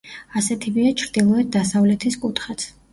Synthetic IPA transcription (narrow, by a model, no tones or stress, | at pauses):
asɛt̪ʰibiat͡ʃʰɾd̪ilˠɔɛt̪̚d̪asavlɛt̪ʰiskʼut̪ʰχat̪sʰ